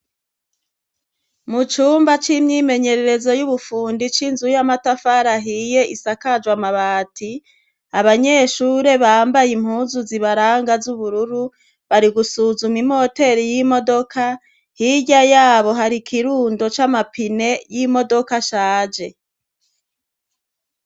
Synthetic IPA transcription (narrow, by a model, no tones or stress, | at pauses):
mut͡ʃuːmbat͡ʃimɲiːme̞ɲe̞ɾe̞ɾe̞zo̞juβufuːndit͡ʃinzujamatafaɾaɦije̞ʔisakad͡ʒwamaβaːti | aβaɲe̞ʃuːɾe̞βaːmbajim̥huːnzuziβaɾaːŋɡazuβuɾuɾu | βaɾiɡusuːzumim̥ho̞te̞ɾijimo̞do̞kʰa | hiɟajaːβo̞ɦaɾikʰiɾuːndo̞t͡ʃamapine̞jimo̞do̞kaʃaːd͡ʒe̞